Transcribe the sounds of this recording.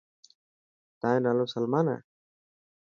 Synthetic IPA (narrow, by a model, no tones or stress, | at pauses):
t̪ãnalosəlmana̰